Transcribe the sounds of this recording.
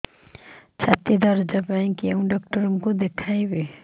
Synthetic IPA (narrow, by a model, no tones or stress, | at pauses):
t͡ʃʰat̪id̪ʌɾd͡ʒʌpaĩkeũɖɔk̚ʈɔɾumkod̪ekʰajbe